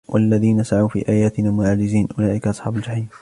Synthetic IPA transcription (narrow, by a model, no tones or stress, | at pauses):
wʔa̰lːaðiːnasaʕawfḭːʔaːjaːt̪ɪnaːmʊʕaːd͡ʒɪziːnʔʊlaːʔɪkaʔɑsˤħɑːbald͡ʒaħiːm